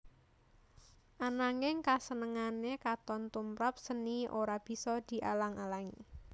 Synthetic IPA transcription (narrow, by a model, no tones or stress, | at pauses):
ʔanaŋɪŋkasənəŋanekat̪ɔnt̪umpɾap̚səniʔoɾab̥i̤sɔd̪̥i̤ʔalaŋalaŋḭ